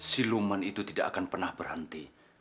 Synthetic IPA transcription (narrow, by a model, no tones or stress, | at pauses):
silumanit̪ut̪idaʔa̰kanpərnahb̥ərɦənt̪i